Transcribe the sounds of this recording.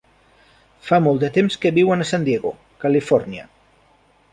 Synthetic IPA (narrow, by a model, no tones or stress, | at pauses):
famɔlˠd̪ət̪emskəβiwənəsand̪jeɣo | kəlifɔɾniə̰